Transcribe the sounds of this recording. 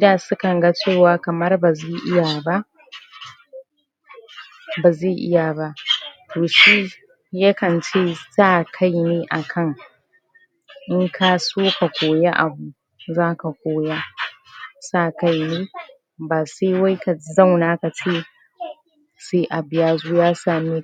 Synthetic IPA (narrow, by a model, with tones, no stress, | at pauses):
ɪ˦daː˨sʊ˦kɐ˨ŋɡa˦t͡ʃeː˦˨waː˦kɐ˨mɐ˦rba˨zeː˦˨ʔɪ˦ja˨ba˦ʔ | baː˨zeː˦˨ʔɪ̰˦ja˨ba˦tʰoː˨ʃi˦ | ja˦kɐ˨nt͡ʃeː˦saː˦kʰa˦jneː˦ʔa˨kʰɐ˦ŋ | ʔɪ˦ŋkʰaː˦soː˦ka˨kʷoː˨ja˦ʔa̰˨bu˨ | zaː˦ka˨kʷoː˦ja˦ | saː˦˨ka˦˨jneː˦ | baː˨se˦wa˦jka˨zɐ˦˨wnaː˦ka˨t͡ʃe˦ | seː˦ʔa˨bɪ˨jaː˦zoː˦jaː˦saː˨mi˦